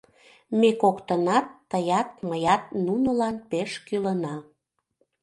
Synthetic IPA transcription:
mekokt̪ənɑt̪ːəjɑt̪̚məjɑt̪̚nunəlɑnpeʃkylənɑ

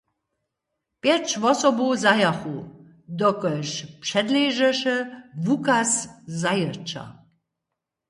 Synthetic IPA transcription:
pjɛt͡ʃvɔsɔbuzajaxu | d̪ɔkəʃpʂɛd̪leʒɛʃəvukaszajərt͡ʃa̰

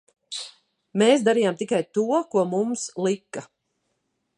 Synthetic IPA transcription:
meːsd̪aɾiːjamt̪ikajt̪uɔkuɔmumslˠikːa

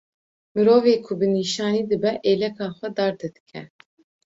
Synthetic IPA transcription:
mɨɾoːveːkʰʊbɨniːʃɑːniːd̪ɨbɛʔeːlɛkʰɑːxʷɛd̪ɑːɾd̪ɛd̪ɨ̥kʰɛ̰

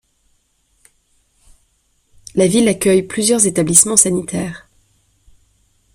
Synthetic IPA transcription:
lavilakʲœjplyzjœʁzet̪ablismɑ̃sanit̪ʰɛːʁ

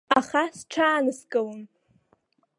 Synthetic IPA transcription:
aχasʈ͡ʂʰaːnɨskʼɨlɨn

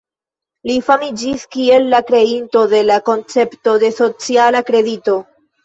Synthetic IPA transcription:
lifamid͡ʒiskie̞lːakɾe̞into̞de̞lako̞nt͡se̞pto̞de̞so̞t͡sialakɾe̞dito̞

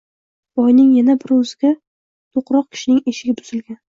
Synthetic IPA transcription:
b̥ɒjnɪŋjanabɪɾɵzɪɡʲa | t̪ʰoqɾɒq̚kʲʰɪ̥ʃɪnɪŋe̞ʃɪɡʲat̪ʊz̥ɪlɡʲan

